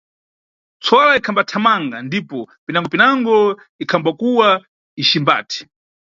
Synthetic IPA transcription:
t͡sʰɔlaikʰambatʰamaŋɡandipɔpinaŋɡɔpinaŋɡɔ | ikʰambakuwa | iʃimba̰ːtʰi̥

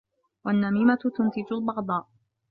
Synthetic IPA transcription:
wanːamiːmat̪t̪ʊnt̪ɪd͡ʒʊlbɑɣd̪ˤɑːʔ

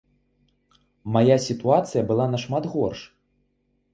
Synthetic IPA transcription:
majasʲit̪uat̪sɨjɐbɨlˠanaʂmad̪ɣɔrʂ

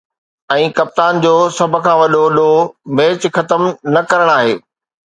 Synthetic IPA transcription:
ɛ̃ːkɐp̚t̪aːnd͡ʑoːsɐbʱʊ̆kʰãːʋɐɗoɗomeːt͡ɕxɐt̪əmnɐkɐɾəɽ̃aːɦeː

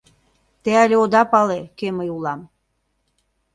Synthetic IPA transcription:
t̪eælʲeod̪ɑpɑlekeməjulɑm

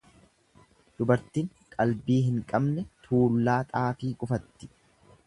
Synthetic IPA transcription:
d̪̥ʊbɐɾt̪iːŋ | kʼɐlbiːɦɪŋkʼɐbnɛt̪ʰuːlːaːt̪ʼaːfiːkʼʊfɐt̪ːɪ̥

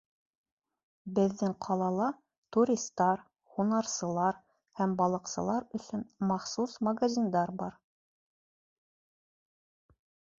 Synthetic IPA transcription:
bɘ̆ðːɘŋqʰɑlˠɑlˠɑ | t̪uɾʲist̪ːɑɾ | hunɑɾsɤ̆lˠɑɾ | hæmbɑlˠɤ̆qsɤ̆lˠɑɾɵ̆sɵnmɑχsusmɐɡazʲind̪ɑɾbɑɾ

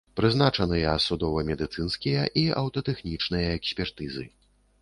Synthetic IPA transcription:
pɾɨznat͡ʂɐnɨjɐsud̪ɔvɐmʲɛd̪ɨt̪sɨnskʲijɐʔiɐ̰wt̪ɐt̪ɛxnʲit͡ʂnɨjɐɛksʲpʲɛrt̪ɨzɨ̰

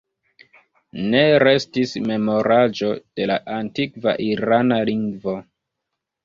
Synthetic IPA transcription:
ne̞ɾe̞stisme̞mo̞ɾad͡ʒo̞d̥e̞laʔantikva̰ʔiɾanaliŋɡvo̞

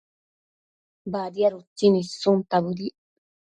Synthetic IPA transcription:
bad̪iaɾut͡sːinisːunt̪abud̪i

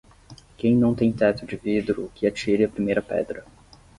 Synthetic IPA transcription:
kẽj̃nɐ̃w̃t̪ẽj̃t̪ɛt̪ʊd͡ʒɪvid̪ɾʊkɪat͡ʃiɾɪɐpɾimejɾɐpɛ̰d̪ɾɐ

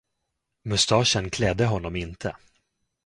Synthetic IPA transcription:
mɵst̪ɑːʂənkʰlɛd̪ːəɦɔnːɔmɪnt̪ʰə̰

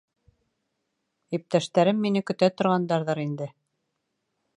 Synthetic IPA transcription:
ip̚t̪æʃt̪æɾɘmːinɘkɵ̆t̪æt̪ŏɾʁɑnd̪ɑɾðɑɾind̪ɘ

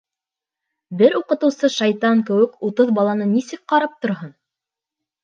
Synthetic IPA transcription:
bɘɾuqɤ̆t̪ɤ̆wsɤʃɑjt̪ɑŋkɘ̆wɘkut̪ɤðbɑlˠɑnɤnisɘk̚qɑɾɑp̚t̪ŏɾɦɤn

